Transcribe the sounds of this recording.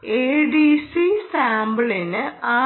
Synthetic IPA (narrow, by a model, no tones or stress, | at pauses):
eːɖisisaːmbɨɭinɨaː